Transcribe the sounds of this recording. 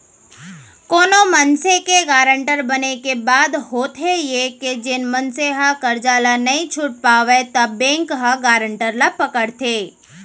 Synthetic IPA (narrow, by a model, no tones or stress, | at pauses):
koːnomɐnsekeɡaːɾəɳʈəɾbɐnekebaːd̪hoːt̪ʰejeked͡ʒɪnmɐnseɦakɐɾd͡ʒaːlanɐĩt͡ʃʰʊʈ̚paːʋet̪ɐbːẽːŋkɦaɡaːɾə̃ɳʈəɾlapɐkəɽt̪ʰeː